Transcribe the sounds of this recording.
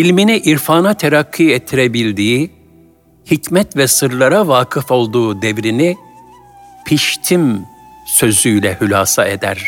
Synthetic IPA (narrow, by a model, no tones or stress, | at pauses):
ilʲminiʔiɾfaːnat̪ʰeɾakʰːiːɛt̪ʰːiɾebilʲd̪iː | hicmɛt̪vɛsɯɾlˠaɾavaːkʰɯfo̞lˠd̪uːd̪evɾini | pʰiʃt̪ʰimsø̞zyjlʲɛhylʲaːsaed̪æ̰ɾ̥